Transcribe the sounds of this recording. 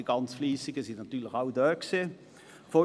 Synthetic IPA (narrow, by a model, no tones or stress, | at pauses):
iɡ̥ɑnt͡sfliːsɪɡəsɪnnɑt̪yːɐlɪçaʊd̪œkseː | fɔ